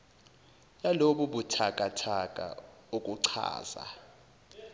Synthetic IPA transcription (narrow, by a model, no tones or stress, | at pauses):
jaloɓuɓutʰakʼatʰakʼa̰okʼuǀʰa̰ːz̥a̰